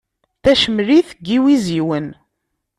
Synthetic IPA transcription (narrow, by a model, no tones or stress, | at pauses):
θæʃəmɾiθɡiwiziwən